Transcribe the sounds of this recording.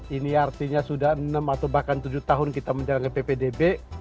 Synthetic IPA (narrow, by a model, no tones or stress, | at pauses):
iniart̪iɲasudahənəmat̪awbahkant̪ud͡ʒut̪aɦʊnkit̪aməɲd͡ʒalaŋɡapepedebe